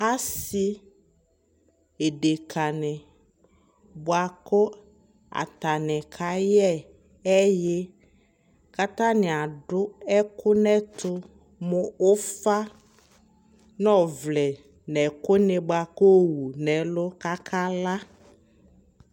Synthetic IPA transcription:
a˦si˦ | e˨ɖe˨kʰa˨nɛ̃˨ | bʊ˨a˨kʊ˦ | a̰˨t̪a˨nɛ̃˨kʰa˨˦jɛ˦ | ɛ˦je˦ | ka˦t̪ã˦nɪ̃˨a˨ɖʊ˦ɛ˦kʰʊ˦nɛ˦t̪ʰʊ˦ | mʊ̃˨o˦fa˦ | nɔ̃˦vlɛ˨ | nɛ˨kʊ˦nɪ̃˨bʊ˨a˨ko˦wu˨nɛ̃˨lʊ˦ka˦kʰa˦la˦

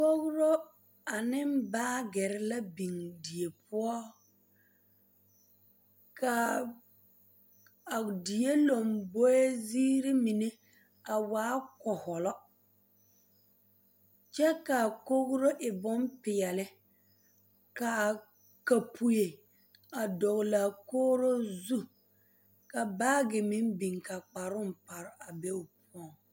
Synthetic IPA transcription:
ko˦ɣʊ˦ɾo˦ | a˨nɪ˦m˦baː˦ɡɛ˨ɾɪ˦la˦bi˨ŋdi˨e˨pʰʊ˦ɔ˦ | ka˨ | a˨di˨e˦lo˨mbo˦e˦ziː˦ɾi˦mi˨ne˦ | a˨waː˦kɔ˨hɔ˨lɔ˦ | t͡ʃɛ˦ka˨ko˦ɣɾo˦ʔɪ˨bʊ˦mpɪ˨jɛ˨lɪ˦ | ka˨ | ka˨pʰu˨je˨ | a˨dɔ˨ɣla˨koː˦ɾo˦zu˦ | ka˨baː˦ɡɪ˨mɪ˦n˦bi˨ŋka˨k͡pa˨ɾʊ˦m̩˨pa˨ɾɪ˨a˨be˦ʊ˨p̚ʰʊ˦ɔ˦˨ŋ

